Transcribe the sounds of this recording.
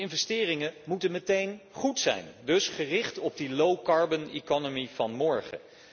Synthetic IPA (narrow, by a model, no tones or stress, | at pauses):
ɪnvɛstɪːrɪŋəmutənmətejnχutsɛ̰jndɵsχərɪχtɔb̚dilowkɑɹbənekɔnomivɑnmɔɹχə̰